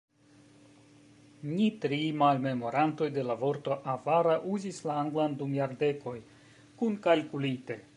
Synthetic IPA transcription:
nitɾimalme̞mo̞ɾanto̞jde̞lavo̞ɾto̞ʔavaɾaʔuzislaaŋɡlandumjaɾde̞ko̞j | kunkalkulite̞

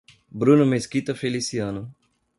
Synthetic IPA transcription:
bɾunomeskit̪ɐfelisiaːno

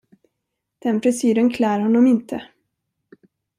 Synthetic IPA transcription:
d̪̥ɛnpʰɾɛsyːɾənkʰlæːɾhɔnːɔmɪnt̪ʰə

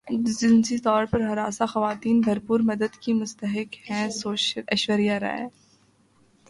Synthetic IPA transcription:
d͡ʒɪnsit̪ɔːɾpɐɾɦɐɾaːsaxɐʋaːt̪iːnbʱɐɾpuːɾmɐd̪əd̪kimʊst̪əɦɪkhɛ̃soːɐʃʋəɾijaɾa̰ːɛ̰

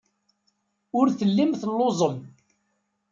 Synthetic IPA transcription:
ʊɾθəlːimθəlːozˤəm

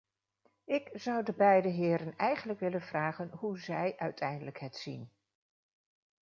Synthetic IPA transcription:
ɪkz̥ʌwdəbɛjdəɦɪːɾənɛjχənləkʋɪlənv̥raːχənɦuzɛjʔœɥtʰɛjndələkɦɛtsin

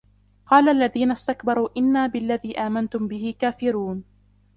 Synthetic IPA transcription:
qɑːlaʔalːaðiːnast̪akbɑɾˤuːʔɪnːaːbɪlːaðiːʔaːmant̪ʊmbɪhɪkaːfɪɾuːn

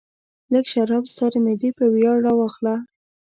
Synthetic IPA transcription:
ləkʃaɾɑbst̪aɾmed̪ipəwjɑɽawɑxla

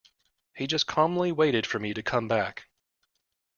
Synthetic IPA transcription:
hid͡ʒʌskʰɑ̃mn̩liweɪɾɨd̥fə˞miɾɨkʰʌ̃mbæk

